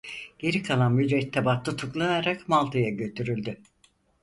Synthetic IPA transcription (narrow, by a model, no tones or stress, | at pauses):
ɟ̥e̞ɾikʰalˠanmyd̪ɾɛt̪ʰːɛbat̪ːɯt̪ʰuklˠanaɾakmalˠt̪ʰɯjaɟø̞t̪ʰyɾylʲd̪y